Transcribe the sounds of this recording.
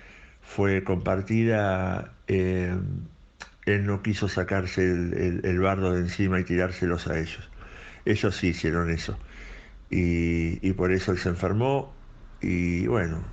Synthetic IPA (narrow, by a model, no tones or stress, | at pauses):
fweko̞mpaɾt̪iða | em | elnokiso̞sakaɾselḛḛlβaɾðoðensimait̪iɾaɾse̞lo̞sa̰e̞ʒo̞se̞ʒo̞siːsje̞ɾo̞ne̞so̞̰ | iːpo̞ɾe̞soelseɱfeɾmo̞ | iβweno̰